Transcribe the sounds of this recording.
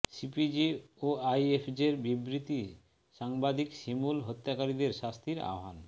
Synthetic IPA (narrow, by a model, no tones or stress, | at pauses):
sipid͡ʑioajefʰd͡ʑeɾbibɾit̪i | ʃaŋbad̪ikʃimulɦot̪ːakaɾid̪eɾʃast̪ʰiɾa̰oɦa̰n